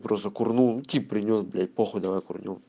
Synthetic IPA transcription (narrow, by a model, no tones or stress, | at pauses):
pɾost̪əkʊrnutʲipːɾʲɪnʲosblʲat̚ʲpoxʊd̪ɐʋajkʊ̰rnʲṵ